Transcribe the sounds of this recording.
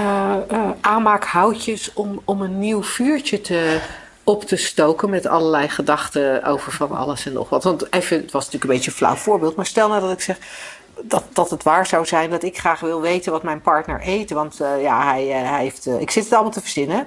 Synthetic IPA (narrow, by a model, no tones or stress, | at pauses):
ʔaːnmaːkɦawcəsɔmɔmənːiwv̥yːɹt͡ʃətʰə | ɔptəstowkənmɛtɑ̰ləɹlɛjχədɑχtəo̰wvəɹvɑnɑ̰ləsɛnːɔ̰χʋɑtʋɑntevəətʋɑsntyːləkəmbejcənfla̰wtfʊːɹbɪːlˠtmaːɹstɛlˠnaːdɑtɪksɛχ | dɑtd̥ɑtətʋaːɹzawzɛjndɑtɪkχraːχʋɪlˠʋejtənʋɑtmɛjnpɑɹtnə̰ɹʔejtənʋɑntja̰ɦɛjɦɛjftɪksɪtətɑlˠəmɑlˠtəvəɹz̥ɪnə